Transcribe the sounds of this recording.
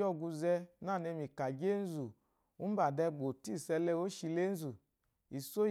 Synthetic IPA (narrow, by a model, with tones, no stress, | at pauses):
ɔ˦˧˨ɡu˧zɛ˧na˦˨ne˧mi˨ka˨d͡ʒe˦n̩˦zu˨ | u˦ba˨dɛ˧ɡ͡bo˨ti˦˨sɛ˧lɛ˧wo˦ʃi˧le˦n̩˦zu˨ | i˨so˦